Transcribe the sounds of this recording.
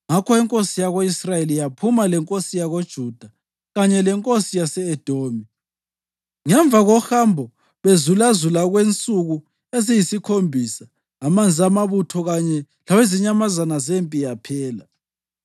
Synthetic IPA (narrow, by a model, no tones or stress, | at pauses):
ŋakʰɔɛŋkʼosijaɣoisrajelijapʰumalɛŋkʼosijaɣod̥ʒ̥ʱud̥ʱa | ɣaɲɛlɛŋkʼosijasɛːd̥ʱoːmi | ŋɛɱb̪vʱaɣɔxambʱɔ | βezulazulaɣwent͡sʼuɣu | ezijisikʰombʱisaː | mand͡zʱiamaβutʰɔɣaɲɛ | laweziɲamazanazempʼijapʰɛːla